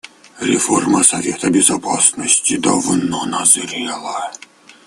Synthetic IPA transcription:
ɾʲɪforməsɐvʲet̪əbʲɪzɐpʰasnəsʲtʲɪd̪əvɨnonɐzɾʲɛlˠə

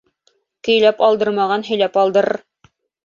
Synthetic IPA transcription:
kɵ̆jlæpɑlˠd̪ɤɾmɑʁɑnɦɵ̆jlæpɑlˠd̪ɤɾɤɾ

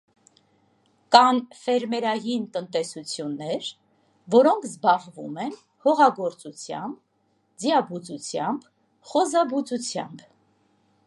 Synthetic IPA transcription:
kɑnfɛɾmɛɾɑjint̪ənt̪ɛsut͡sʰjunːɛɾ | vɔɾɔŋkʰzbɑʁvumɛn | hɔʁɑɡɔɾt͡sut͡sʰjɑ̰mb | d͡zjɑbut͡sut͡sʰjɑmb | χɔzɑbut͡sut͡sʰjɑ̰mb

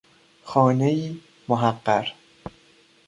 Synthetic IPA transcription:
xɒːnejiː | moɦæqːæɾ

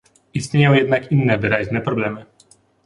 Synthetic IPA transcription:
ist̪ʲɲejɔ̃w̃jɛd̪nakinːɛvɘɾaʑnɛpɾɔblɛmɘ

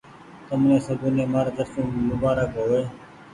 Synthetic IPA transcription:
t̪əmnẽːsəbuːneːmaːɾd̪əɾsũːmʊbaːɾəkɦoːeː

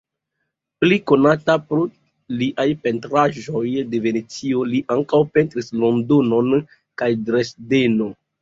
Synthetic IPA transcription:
pliko̞natapɾo | liʔajpe̞ntɾaʒo̞jde̞ve̞ne̞t͡sio̞liʔaŋkawpe̞ntɾislo̞ndo̞no̞n | kajdɾe̞sde̞no̞

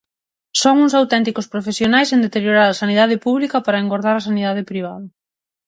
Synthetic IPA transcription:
soŋuŋsawt̪ɛnt̪ikospɾofesjonajsend̪et̪eɾjoɾaɾasaniðaðɪpuβlikɐpaɾɐeŋɡoɾð̞aɾɐsaniðað̞ɪpɾiβ̞aðɐ

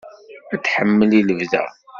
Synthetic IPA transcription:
æt͡sːħəmːəliləvðæ̰

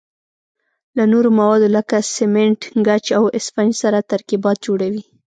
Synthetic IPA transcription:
lanoɾomawɑd̪oləkasɪmeɳʈɡat͡ʃawɪspand͡ʒsaɾat̪aɾkibɑt̪̚d͡ʒoɽawi

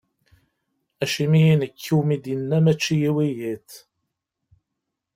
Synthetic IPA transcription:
æʃimijinəkʰːiwmid̪jənːæmæt͡ʃːijiwijiθ

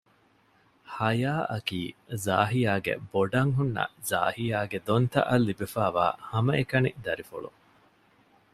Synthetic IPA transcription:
hɐjaːʔɐkiːza̰ːɦijaːɡḛboɖɐŋɦunːɐ̰za̰ːhijaːɡed̪ont̪ɐ̰ʔɐlːibefaːʋa̰ːhɐmɐekɐnid̪ɐɾifuɭṵ

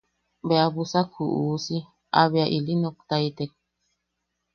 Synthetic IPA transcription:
beabusakhuʔuːsi | a̰βjaʔilinok̚t̪ait̪ek̚

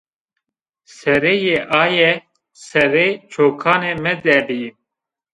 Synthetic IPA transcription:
sɛɾeːjeːʔaːjɛ | sɛɾet͡ʃʰoːkʰaːneːmɛd̪ɛbi

